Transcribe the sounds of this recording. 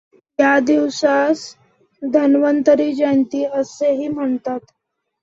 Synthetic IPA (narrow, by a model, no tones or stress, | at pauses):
jjad̪iwsas | d̪ʱənʋənt̪əɾiːd͡ʑənt̪iːəseɦiːm̤əɳt̪at̪